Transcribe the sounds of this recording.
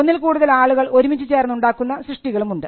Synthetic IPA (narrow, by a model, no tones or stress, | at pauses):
onːilkuːɽuðɐlaːɭuɣɐɭo̞ɾumit͡ɕːɨt͡ɕe̞ːrnːuɳɖaːkːunːɐsrɨʂʈiɣɐɭumuɳɖɨ